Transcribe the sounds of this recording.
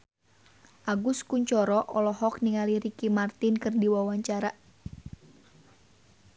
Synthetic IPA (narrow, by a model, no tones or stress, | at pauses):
ʔaɡʊskuɲt͡ʃɔɾɔʔɔlɔɦɔk̚niŋaliɾikimart̪ɪnkɨrdiwawaɲt͡ʃaɾa